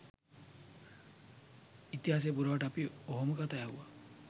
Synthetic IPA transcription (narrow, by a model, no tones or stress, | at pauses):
it̪iɦas̬epuɾaaʈapioɦɔmɔkat̪ajaɦṵa